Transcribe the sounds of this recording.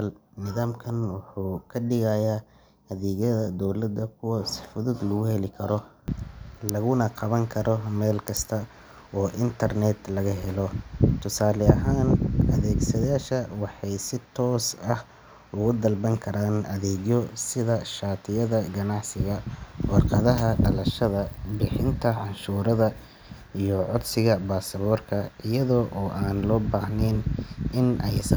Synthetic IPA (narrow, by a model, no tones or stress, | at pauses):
lnɪðaːmkʰɐnwɑħuːkʰɐɖɪɣɐjaː | ɐðɛːɣɐðɐd̪ɔwlɐd̪ːɐkʰʊwɐsɪfʊðʊd̪lɐɣʊhɛlɪkʰɐɾɔ | lɐɣʊnɐqʰɑβɐŋkʰɐɾʔɔmɛːlkʰɐst̪ʰɐ | ɔːʔɪnt̪ʰɐrnɛd̪lɐɣɐɦɛlɔt̪ʰʊsaːlɛɐɦaːnʔɐ̰ðɛːɡsɐjaːʃɐwɑħɑjsɪt̪ʰɔːsɐh | ʊɣʊd̪ɐlbɐŋkʰɐɾaːnʔɐðɛːɡjɔsɪðɐʃaːt̪ʰɪjɐðɐɡɐnɑʕsɪɣɐwɑrqɑðɐɦɐɖɐlɐʃɐðɐbɪħɪnt̪ʰɐʕɑnʃuːɾɐðɐ | ijɔʕɔd̪sɪɣɐbaːsɐβɔːrkʰɐʔɪjɐðɔːʔɔːʔaːnlɔːbaːhnɛnʔɪnɛjs